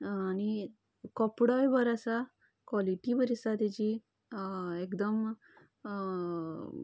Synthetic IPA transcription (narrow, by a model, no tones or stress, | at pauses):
añi | kɔpɽɔjʋəɾasa | kʋɔliʈiʋəɾisad̪ed͡ʑi | ekd̪əm